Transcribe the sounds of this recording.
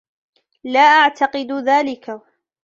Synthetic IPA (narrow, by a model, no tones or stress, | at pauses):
laːʔaʕt̪ʰaqɨd̪ðaːlɪka